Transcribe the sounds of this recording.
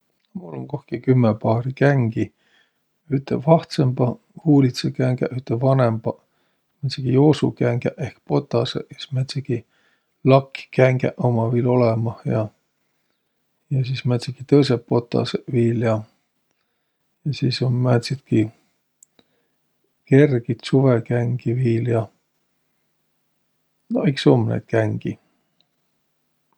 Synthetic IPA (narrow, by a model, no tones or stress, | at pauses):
mulːoŋkohkikymːepɑːrikæŋɡ̥i | yt̪ːevɑht̪sembɑ | huːlit̪sekæŋɡæʔyht̪ːevɑnembɑ | mæt̪sekijoːsukæŋɡæʔehkpo̞t̪ːˑɑseʔismæt̪ʲseki | lɑkːkæŋɡ̥æ̰ʔomɑviːlo̞lemɑhjɑ | jɑsismæt̪sikit̪ɤjsepo̞t̪ːɑ̰seviːljɑ | jɑsiːsommæt̪sit̪ki | ke̞rɡ̥it̪suvekæŋɡ̥iviːljɑ | noiksomnḛt̪̚kæŋɡ̥i